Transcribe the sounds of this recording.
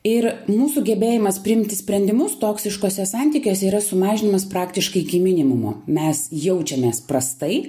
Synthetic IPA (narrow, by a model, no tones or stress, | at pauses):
ɪɾmuːsuːɡʲɛbʲeːjɪmɐspʲɾʲɪɪmʲt̪ʲɪsʲpʲɾʲɛnʲd̪ʲɪmʊst̪oːksʲɪʃkoːsʲɛsɑnʲt̪ʲiːkʲoːsʲɛiːɾɐsʊmɑːʒʲɪnʲɪmɐspɾɑːkt̪ʲɪʃkɐɪɪkʲimʲɪnʲɪmʊmʊ̰mʲɛsjɛʊt͡ʃʲɛmʲeːspɾɐst̪ɐɪ